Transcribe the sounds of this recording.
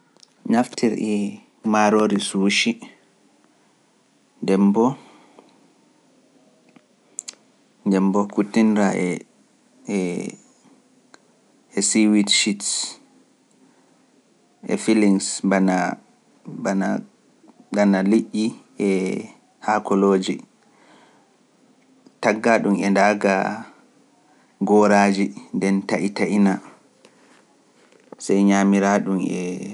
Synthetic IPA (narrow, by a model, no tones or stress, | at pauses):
naftʰiɾi | maɾoɾisuːʃi | ndɛmbɔ | ndɛmbɔkutːinɾaɛ | ɛsiwitʃits | ʔɛfiliŋsbana | bana | danaliʔʲːiʔɛ | hakʰɔloːd͡ʒi | taɡːaɗumɛndaɡa | ɡɔɾaːd͡ʒindɛntaʔitaʔina | sajɲamiɾaɗumɛ̰